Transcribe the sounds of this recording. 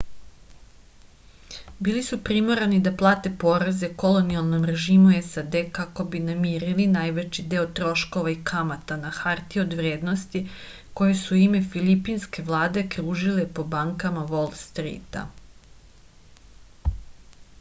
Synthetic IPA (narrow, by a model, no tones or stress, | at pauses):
biːlisupɾimoɾanid̪aplˠaːt̪e̞po̞ːɾaze̞kolo̞nialˠno̞mɾe̞ʒiːmuesad̪ekako̞binamiːɾilinajʋet͡ʃid̪e̞ot̪ɾo̞ʃko̞ʋaikʰamat̪anaxaɾt̪iod̪ʋɾeːd̪no̞st̪i | ko̞jesuime̞filipinske̞ʋlˠaːd̪e̞kɾuːʒile̞po̞baŋkamaʋo̞lˠst̪ɾḭt̪a̰